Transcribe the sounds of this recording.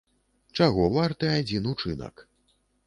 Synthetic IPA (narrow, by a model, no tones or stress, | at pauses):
t͡ʂaɣɔvart̪ɨad͡zʲinut͡ʂɨnɐ̰k